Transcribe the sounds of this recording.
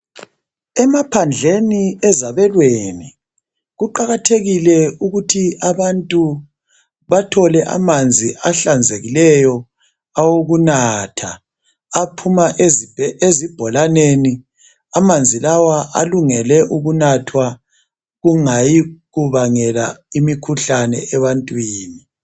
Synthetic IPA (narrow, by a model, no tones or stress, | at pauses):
ɛmapʰand͡ɮʱeniɛzaβɛlweni | ɣuǃaɣatʰeɣilɛuɣutʰiʔaβantʼu | βatʰɔlɛʔa̰mand͡zʱiʔaɬand͡zʱeɣilɛjɔ | awoɣunatʰaː | pʰumaʔezezib̥ʱɔlaneni | amand͡zʱilawaʔa̰luŋɛlɛʔuɣunatʰwa | ɣuŋajiɣuβaŋɛlaimikʰuɬanɛ̰ɛβantʼwiːni